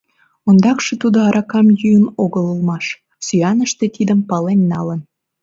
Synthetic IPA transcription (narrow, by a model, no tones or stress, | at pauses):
ond̪ɑkʃet̪ud̪oɑɾʔɑkɑmjyənoɣələlmɑʃ | syɑnəʃt̪et̪id̪əmpɑlenːɑlən